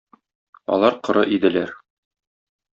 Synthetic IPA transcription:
ɒ̰lˠɑɾqŏɾɤʔid̪ɘ̆læɾ

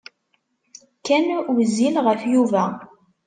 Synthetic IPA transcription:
kænwzilʁəfjuvæ

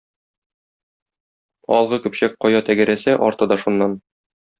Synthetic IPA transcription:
ɒ̰lˠʁɤkɵ̆pɕæk̚qɒjɑt̪æɡɘ̆ɾæsæʔɒɾt̪ɤd̪ɑʃunːɑn

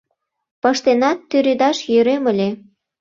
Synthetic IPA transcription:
pɤ̆ʃt̪enɑt̪ːyɾed̪ɑʃjøɾeməlʲe

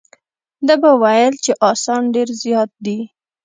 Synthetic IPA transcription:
d̪abawajəlt͡ʃeʔɑsɑnɖeɾzjɑt̪̚d̪i

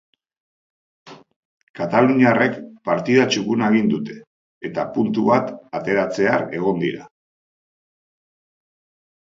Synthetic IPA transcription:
kat̪aluɲare̞kpaɾt̪iðat͡ʃukunaeɣind̪ut̪e̞̥ː | t̪apunt̪uβat̪at̪e̞ɾat͡se̞are̞ɣ̞o̞nd̪ḭɾa̰

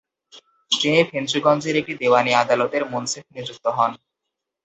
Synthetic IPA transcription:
ʈeepʰend̪ɾuɡɔnd͡ʑeɾek̚ʈid̪ewaniad̪alot̪eɾmonsef̚ʰniɾd͡ʑuk̚t̪oɦɔn

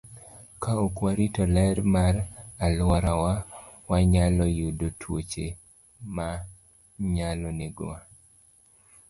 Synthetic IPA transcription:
kaokwaɾitɔlɛɾmaɾalwɔɾawawaɲalɔjudotʰwot͡ʃe | ma | ɲalɔnɪɡa

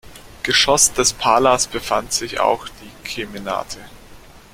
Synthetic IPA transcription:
ɡ̥əʃɔsd̥ɛspʰaːlasb̥əfantz̥ɪça̰ʊxd̥iːkʰemina̰ːtʰə

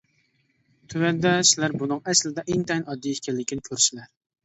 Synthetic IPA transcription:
t̪ʰywænd̪ɛsɪlæɾbunɨŋɛslɪd̪ɛʔeŋt̪ʰɛjnɑd̪ːijekʲælːɪkʲinɪkʲʰøɾsɪlæɾ

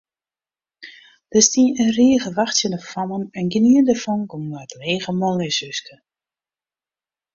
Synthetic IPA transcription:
d̥əstiənriəɣəʋaxtjənəfɔnənɛnɡəniəndəfɔnɡɔmnatleːɣəmɔŋəsøskə

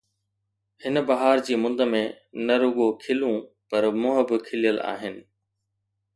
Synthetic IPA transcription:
hɪnbɐɦaːɾd͡ʑiːmʊ̃nd̪əmẽ | nɐɾʊɡokʰɪlũ | pɐɾmʊ̃ɦəbɪkʰɪlijəla̰ːɦɪnɪ̆

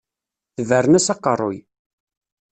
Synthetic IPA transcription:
θvəɾənæsɑqːərˤːoj

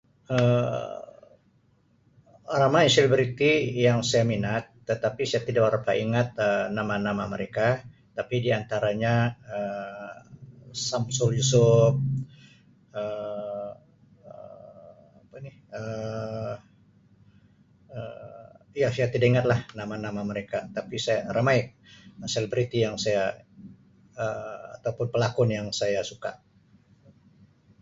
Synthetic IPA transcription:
ə | aɾamaŋselibɾit̪ijaŋsajaminat̪ːət̪apisajat̪idaɾapaʔiŋat̪̚ənamanamahməɾeka | t̪apidiant̪aɾaɲaə | samsuljusʊp̚ | ə | ə | apanihə | ə | jasajat̪idaiŋat̪lahnamanamaməɾekat̪apisajaramaj | selebɾit̪ijaŋsaja | əa̰t̪awpʊnpəlakɔnjaŋsajasuka̰ʔ

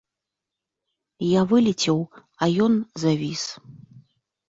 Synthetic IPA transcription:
javɨlʲit͡sʲɛw | ɐjɔnzavʲis

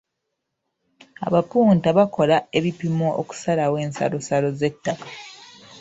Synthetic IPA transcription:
a̰βapuːntaβako̞lae̞βipimoʔo̰ku̥salawe̞ːnsa̰lo̞salo̞ze̞tːakḁ

